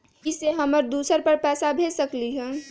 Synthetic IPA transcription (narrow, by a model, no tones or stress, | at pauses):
iseɦəməɾd̪usəɾpəɾpɛːsabʱesəkliɦɛ̃